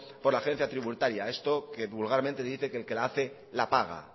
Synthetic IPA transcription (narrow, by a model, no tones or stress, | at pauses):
po̞ɾlaxe̞n̟θjat̪ɾiβut̪aɾjae̞st̪o̞ke̞βulɣaɾment̪e̞ðiθe̞keːlke̞laaθe̞ | lapaɣ̞a̰